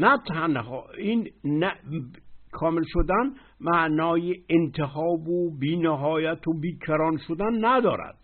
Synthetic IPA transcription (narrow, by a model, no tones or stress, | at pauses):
næt̪ʰænhɒːinnæ | kʰɒːmelʃod̪æn | mæʔnɒːjeent̪ʰehɒːbobiːneɦɒːjæt̪ʰobiːkʰæɾɒːnʃod̪ænːæd̪ɒ̰ːɾæ̰d̪̥